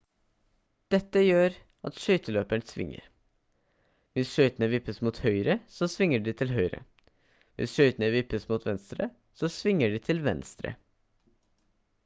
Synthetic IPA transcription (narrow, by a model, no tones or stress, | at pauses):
d̪̥ɛt̪ːəjøːɾ | ʔɑt̪ʃœʏt̪əløːpæɳsʋɪ̰ŋːə̰ɾ | ʋɪsʃœʏt̪ənəʋɪpːəsmuːt̪hœʏɾəsɔsʋɪŋːəɖiːt̪ʰɪlɦœʏɾə̰ | ʋʔɪ̰sʃœʏt̪ənəʋɪpːəsmuːt̪ʰʋɛnst̪ɾə | sɔsʋɪŋːəɖiːt̪ʰɪlʋɛ̰nst̪ɾə̰